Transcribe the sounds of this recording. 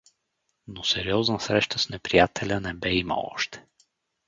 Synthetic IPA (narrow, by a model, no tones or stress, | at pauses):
nosɛɾiɔznəsɾɛʃt̪ʰəsnɛpɾijat̪ʰɛlʲənɛbɛimə̰ɔ̰ʃt̪ɛ̥